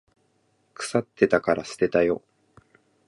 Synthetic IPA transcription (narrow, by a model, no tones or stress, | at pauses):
kɯ̟̥sat̪ːe̞t̪akaɾasɨ̥t̪e̞t̪ajo̞